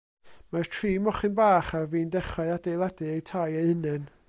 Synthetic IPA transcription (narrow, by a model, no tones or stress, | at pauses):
martʰriːmɔχɨnbaːχarviːndɛχɔadejlˠadɨejtʰajejhənɨn